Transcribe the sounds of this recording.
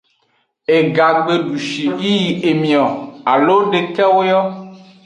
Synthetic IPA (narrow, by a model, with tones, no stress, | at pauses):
e˨ɡa˨ɡ͡be˨ɖu˨ʃi˨ji˦ji˨e˨mĩ˨ɔ˨a˨lo˦ɖe˨kɛ˦wo˦jɔ˦